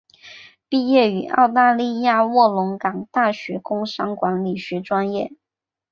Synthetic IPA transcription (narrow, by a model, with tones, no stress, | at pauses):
pi˥˧jɛ˥˩y˨˩ɑ̰˥˧ʊt̪a˥˧li˥˧ja˥˧wɔ˥˩lʊ˧˥ŋkɑ˨˩ŋt̪a˥˩ɕɥɛ˧˥kʊ˥ŋʂɑ˥ŋkwa˧˥nli˨˩ɕy˧˥ʈ͡ʂwa˥njɛ˥˩